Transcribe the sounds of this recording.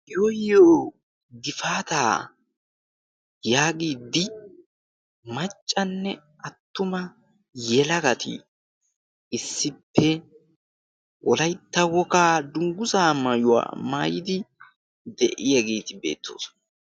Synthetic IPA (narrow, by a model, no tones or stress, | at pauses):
jojoː | ɡɪfaːt̪aː | jaːɡiːd̪ɪ | mɐt͡ʃʼːɐnːɛ | ɐt̪ːʊmɐ | jɛlɐɡɐt̪ɪ̰ | ɪsːɪpʰːɛ | wʔɔlɐjt̪ːɐwɔkaːd̪ʊŋɡʊsaːmɐjʊwa̰ːmaːjɪd̪ɪ | d̪ɛʔɪjɐɡeːt̪ɪbe̞̰ːt̪ʰːo̰ːsɔ̥nɐ